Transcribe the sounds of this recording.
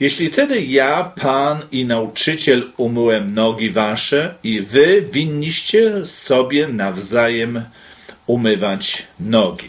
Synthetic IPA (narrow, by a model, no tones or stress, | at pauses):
jeɕlʲit̪ɛd̪ɘjapʰaninaut͡ʂɘt͡ɕɛlumɘwɛmnɔɡʲivaʂɛivɘvʲiɲːiɕt͡ɕɛsɔbʲjɛnavzajɛm | umɘvat͡ɕnɔɡʲḭ